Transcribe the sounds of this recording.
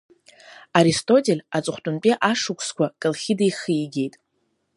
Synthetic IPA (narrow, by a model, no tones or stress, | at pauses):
aɾistʼo̞tʼe̞lʲat͡sʼχʷtʼʊnpʼiʔaʂɨkʷʰskʷʰakʼɨlχʲidejχiiɡʲe̞jtʼ